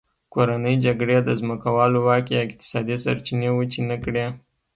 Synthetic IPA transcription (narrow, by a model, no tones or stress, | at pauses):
koɾanəjd͡ʒaɡɽed̪əzməkawɑlowɑkjaɪk̚t̪ɪ̥sɑd̪isa̰ɾt͡ʃinewut͡ʃinəkɽe